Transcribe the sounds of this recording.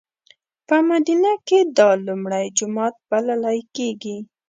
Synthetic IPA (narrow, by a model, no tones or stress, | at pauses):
pəmad̪inaked̪ɑlumɽajd͡ʒʊmɑt̪̚b̥alalajkeɡi